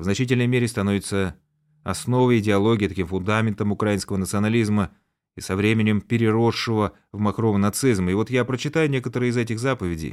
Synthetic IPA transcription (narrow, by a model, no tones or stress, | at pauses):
vznɐt͡ɕit̬ʲɪlʲnəjmʲeɾʲɪst̪ɐno̞vʲɪt̪sə | ɐsno̞vəjɪdʲɪɐlˠo̞ɡʲɪːt̪ɐkʲimfʊnd̪amʲɪnt̪əmʊkɾaɪnskəvənət̪sɨɐnɐlʲizmə | isɐvɾʲemʲɪnʲɪmpʲɪɾʲɪɾo̞ʂːɨvə | vmɐkɾomnɐt̪sɨzmɪvo̞t̪japɾət͡ɕːɪt̪ajʊnʲekət̪əɾɨəɪzɛtʲɪxzapəvʲɪdʲɪ̰j